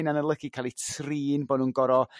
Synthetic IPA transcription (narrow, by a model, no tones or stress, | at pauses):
nanəlˠəɡikʰalˠitʰriːnboːnuːnɡɔɾɔ